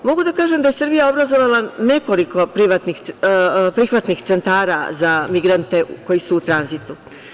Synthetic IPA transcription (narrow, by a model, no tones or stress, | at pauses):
mo̞ɡud̪akaːʒemd̪aje̞sɨɾbijao̞bɾazo̞ʋalane̞ko̞liko̞pɾiʋat̪nixpɾixʋat̪nixt̪se̞nt̪aːɾazamiɡɾant̪e̞ko̞jisuːt̪ɾanzit̪u